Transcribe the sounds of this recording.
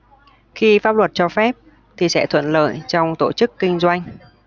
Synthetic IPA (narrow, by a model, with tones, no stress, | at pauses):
xi˧faː˦˥p̚lwə˨˩t̚t͡ɕɔ˧fɛ˦˥p̚ | t̪ʰi˨˩sɛ̰˧˥t̪ʰwə̰˧˨nlə̰ː˧˩jt͡ɕɔ˧wŋ͡mt̪o˧˩t͡ɕɨ˦˥kːï˧ŋ̟zwa˧jŋ̟